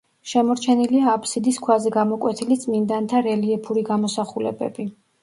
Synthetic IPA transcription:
ʃɛmɔɾt͡ʃʰɛniliaːpʰsid̪iskʰwazɛɡamɔkʼwɛt̪ʰilit̪sʼmind̪ant̪ʰaɾɛliɛpʰuɾiɡamɔsaχulɛ̰bɛ̰bi

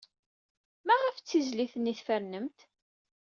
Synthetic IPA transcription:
mæʁəft͡sːizliθənːiθfæɾnəmt̪

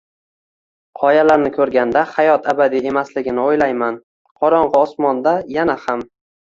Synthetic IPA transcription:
qʰɒjalaɾnɪkʲʰɵɾɡʲand̪ahajɒt̪ʰabad̪ie̞maslɪɡʲɪnɪojlajman | qʰɒɾɒɴʁɨɒsmɒnd̪ajanaham

